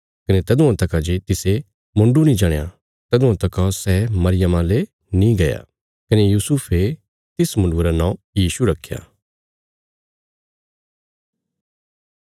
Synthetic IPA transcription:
kɐnet̪ɐd̪ũãt̪ɐkãd͡ʒet̪ɪse | mʊ̃ɳɖunĩd͡ʒaːɽ̃ja | t̪ɐd̪ʊ̃ãt̪ɐkãsɛːmɐɾɪjəmãle | nĩɡɐja̰ | kɐnejuːsupʰe | t̪ɪsmʊ̃ɳɖuɾanãːũ | jiːʃuɾɐkʰːja̰ː

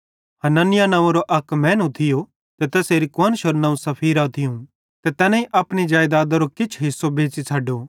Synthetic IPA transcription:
ɦɐnanɪjanɐ̃ʋãɾoʔɐkmɛ̃ːnut̪ʰɪjo | t̪et̪ɛːseːɾikwaːnʃoɾnɐ̃ũsɐpʰiːɾaːt̪ʰɪjũ | t̪et̪ɛːnãĩʔɐpɽ̃id͡ʒaːjd̪aːd̪aɾokɪt͡ʃʰɦɪsːobeːt͡ʃit͡sʰɐɖoː

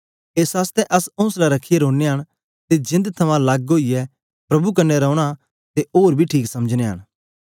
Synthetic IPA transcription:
eːsaːst̪ɛʔɐsõːslaɾɐkʰːɪjeɾoːnːeɦɐɽ̃ | t̪ed͡ʒɪ̃nd̪t̪ʰɐmãlaːɡɡoːijɛ | pɾɐbuk̬ɐːɛɾɐːʊɽ̃a | t̪eoːɾbʱiʈʰiːksɐməd͡ʒneɦɐ̰ɽ̃

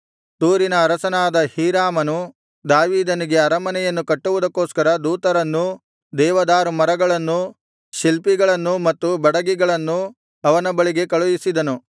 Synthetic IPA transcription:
t̪uːɾinɐːɾɐsɐnaːd̪ɐhiːɾaːmɐnu | d̪aːʋiːd̪ɐniɡe̞ɐɾɐmɐnɛjɐnːukɐʈːuʋud̪ɐkːoːskɐɾɐd̪uːt̪ɐɾɐnːu | d̪ɛːʋɐd̪aːɾumɐɾɐɡɐɭɐnːu | ʃilpiɡɐɭɐnːumɐt̪ːubɐɽɐɡiɡɐɭɐnːu | ɐʋɐnɐbɐɭiɡe̞kɐɭujisid̪ɐnu

